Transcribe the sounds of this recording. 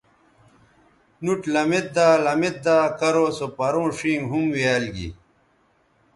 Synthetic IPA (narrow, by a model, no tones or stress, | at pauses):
nuʈlɐmet̪̚d̪aːlɐmet̪̚d̪aːkɐɾoːsopɐɾõːʂĩːŋɡɦumwiaːlɡḭ